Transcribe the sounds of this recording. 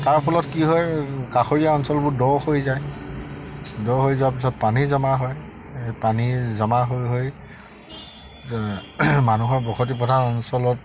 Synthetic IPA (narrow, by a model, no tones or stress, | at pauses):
taɹpʰɔlɔtkiɦɔjkaxoɹijaɔnsɔlbʊɹdɔɹhojzaj | dɔɹɦojzawap̬is̬ɔt̚panizamaɦɔj | panizamaɦojɦoj | manuɦɔɹbɔxʰɔt̬ipɔdʱanɔnsɔlɔt̚